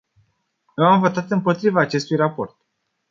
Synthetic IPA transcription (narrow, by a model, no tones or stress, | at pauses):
jeamvo̞t̪sat̪ɨmpo̞t̪ɾivaːt͡ʃe̞st̪ujrapo̞̰rt̪